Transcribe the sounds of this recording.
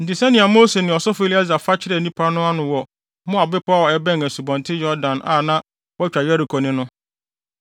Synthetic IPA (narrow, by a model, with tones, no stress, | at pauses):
n̩˨tɪ˨sɛ˦nɪ̃˨a˨mo˦se˨nɪ̃˨ɔ˨sɔ˦fe˦li˦ɛ˦za˨fa˦t͡ɕʰɪ˦ɾɛ˦˨nĩ˦pʰa˦nʊ̃˦a˦nʊ̃˨wɔ˨ | mʊ̃˦a˨bɪ˦pʰːɔ˨ɛ˦bɛ̃˦ŋæ˨su˨bɔ̃˨ntʰɪ˦jɔ˦ɾdã˨na̰˨nã˦ | wɔ˦t͡ɕᶣa˨jɛ˦ɾi˨kʰo˨nɪ̃˦nʊ̃˦